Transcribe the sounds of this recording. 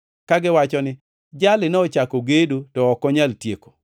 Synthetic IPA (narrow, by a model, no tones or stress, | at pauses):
kaɡɪwat͡ʃɔnɪ | d͡ʒalɪnɛɔt͡ʃakoɡedotɔɔkɔɲaltjeko̥